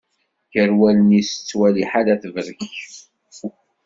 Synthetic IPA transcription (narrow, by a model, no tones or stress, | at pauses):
çəɾwælənisə̥t͡sːwæliħalæθvəɾəçç